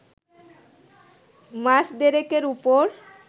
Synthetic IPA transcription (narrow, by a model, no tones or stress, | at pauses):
maʃd̪eɾekeɾupoɾ